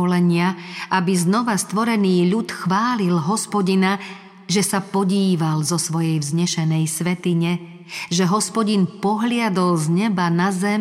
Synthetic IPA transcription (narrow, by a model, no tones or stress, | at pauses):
lɛɲɪaʔabiznɔʋast̪ʋɔɾɛniːʎut̪xʋaːlilɦɔspɔɟina | ʒɛsapɔɟiːʋalzɔsʋɔjɛjvzɲɛʃɛnɛjsʋɛt̪iɲɛ | ʒɛɦɔspɔɟinpɔɦlɪad̪ɔlzɲɛbanazɛm